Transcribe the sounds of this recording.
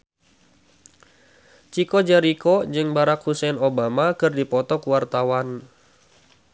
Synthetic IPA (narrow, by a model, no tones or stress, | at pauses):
t͡ʃikɔd͡ʒɛɾikɔd͡ʒɨŋbaɾakhusɛnobamakɨrdipɔt̪ɔkuwart̪awan